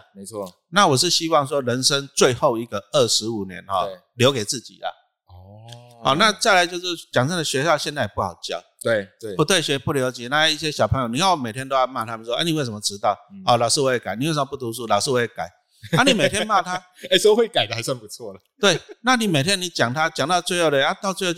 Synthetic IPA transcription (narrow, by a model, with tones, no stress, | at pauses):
me˧˦ɪt͡sʰwɔ˥˨ | na˥˨wɔ˨˩ʂ̬ɻ̩˥˧ɕi˦wɑ˥˨ŋʂ̬wɔ˦ɻə˧˦nʂə˦ŋt͡swe˥˧ɪxo˥˧ʊi˧˩ɡə˨ə˥˩ʂɻ̩˧˥u˨˩njɛ̰˧˦nhɔ̰˥˨ | ljo˧˥ʊke˨˩ɪt͡s̩˥˩t͡ɕḭ˨˩˨ | hɔ˨˩na˥˧t͡sa˥˩ɪla˧˦ɪt͡ɕjo˥˧ʊʂɻ̩˥˩t͡ɕjɑ˨˩ŋə˥˩nd̪ə˩ɕɥɛ˧˦ɕjɑ˥˧ʊɕjɛ˥˧nt͡sa˥˩˨pu˥˩xa̰˨˩ʊt͡ɕjɑ˥˨˩ʊt̪we˥˩ɪ˨˩pu˧˦t̪we˥˩ɪɕɥɛ˧˥pu˥˩ljo˧ʊt͡ɕjɛ˨˦na˥˧˥i˥˩ɕ̬jɛ˦ɕjɑ˨˩pʰə˧˦ŋjo˨˩ni˨˧ja˥˧wme˨˩ɪt̪ʰjɛ˥˦nt̪o˥ʊja˥˧ma˥˧˩t̪ʰa˥m˨˩˥wɔ˦˧˥ni˨we˥˩ɪʂə˧˦mɔ˨˧ʈ͡ʂɻ̩˦t̪ɑ˥˩ʊɔ˨˩lɑ˨˩ʊʂ̩˥˧wɔ˧˥e˨˩ka˨˩ɪni˨wʂə˧mə˨pu˥˩t̪u˧su˥˩lɑ˨˩ʊs̩˥˧wɔ˥e˧˩ka˨˩ɪ | a˥˨ni˨˩me˨˩t̪ʰjɛ˦˥nma˥˧t̪ʰa˦ | e˥˩swɔ˧˦˧we˥˩ɪka˨˩ɪd̪ə˨a˨ɪsa˥˧ŋpu˧˦t͡sʰwɔ˥˩lə˩t̪we˥˩na˥˨ni˨˩me˨ɪt̪ʰjɛ˦˥nːi˨˦t͡ɕja˨˩ŋt̪ʰa˦t͡ɕja˨˩ŋt̪ɑ˥˧ʊt͡swe˥˧ɪho˥˩ʊdə˨˧a˥˦t̪ʊt͡swe˥˧o˥˧˩